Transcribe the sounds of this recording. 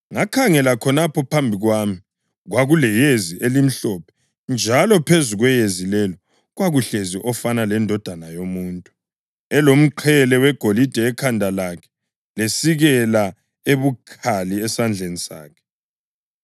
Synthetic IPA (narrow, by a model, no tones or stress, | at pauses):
ŋakʰaŋɛlakʰɔnapʰɔpʰambʱiɣwami | ɣwaɣulɛjeziʔelim̩ɬɔpʰɛ̥ | nd͡ʒʱalɔpʰezuɣwɛjezilɛlɔ | ɣwaɣuɬeziʔɔfanalɛndʱɔd̥ʱanajomuːntʼu̥ | ɛlom̩ǃʰɛlɛwɛɡ̥ʱolid̥ʱɛːkʰandʱalakʰɛ̥ | lesiɣɛla | eβukʰaliɛsand͡ɮʱenisa̰ːkʰɛ̥